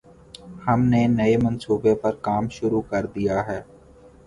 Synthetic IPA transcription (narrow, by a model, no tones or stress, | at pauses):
hɐmnenɐemɐ̃nsuːbepɐɾkaːmʃʊɾukɐɾd̪ijaɦɛː